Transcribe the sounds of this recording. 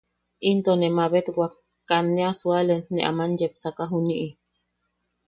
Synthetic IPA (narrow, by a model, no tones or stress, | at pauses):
ʔint̪onemaβet̪ɡwak | kːanːeasualenneʔa̰manjepsakaɦuniʔi